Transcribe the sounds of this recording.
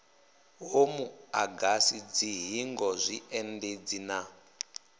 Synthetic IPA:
ɦomuaɡasid͡ziɦiŋɡɔzʷiɛnded͡zina

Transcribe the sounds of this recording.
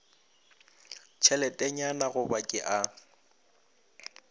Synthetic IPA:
t͡ʃʰɛlɛtʼɛɲanaɣʊbakʼɪʔa

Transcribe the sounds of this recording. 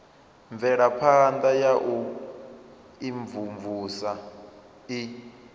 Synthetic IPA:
ɱvɛɺapʰand̪ajaʔu | iɱvuɱvusa | i

